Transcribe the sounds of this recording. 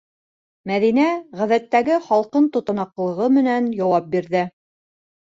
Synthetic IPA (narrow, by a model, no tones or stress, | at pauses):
mæðinæʁæðæt̪ːæɡɘχɑlˠqɤnt̪ŏt̪ɤ̆nɑqlˠɤ̆ʁɤmɘ̆nænjɑwɑp̚biɾðɘ